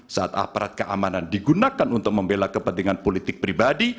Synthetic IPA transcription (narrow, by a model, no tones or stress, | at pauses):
saʔa̰t̪a̰paɾat̪̚kəʔa̰manandiɡunakanunt̪ʊk̚məmbelakəpənt̪iŋanpolit̪ɪk̚pɾibadi